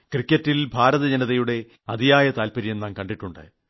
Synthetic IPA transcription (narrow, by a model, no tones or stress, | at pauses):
krikʲːɐtːilbʱaːɾɐðɐd͡ʑɐnɐðɐjuɽe̞ | ɐd̪ijaːjɐt̪aːlpɐɾijenːaːnkɐɳɖiʈːuɳɖɨ̰